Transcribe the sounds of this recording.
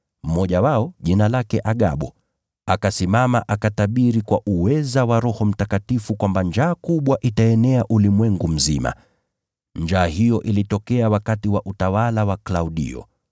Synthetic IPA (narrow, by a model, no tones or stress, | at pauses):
m̩mɔʄawaɔʄinalakɛʔaɠaɓɔ | akasimamaʔakataɓiɾikwaʔuwɛzawaɾɔhɔm̩takatifukwamband͡ʒaːkuɓwaʔitaɛnɛaʔulimwɛŋɡum̩zima̰ | nd͡ʒaːɦijɔʔilitɔkɛawakatiwaʔutawalawaklauɗḭɔ̰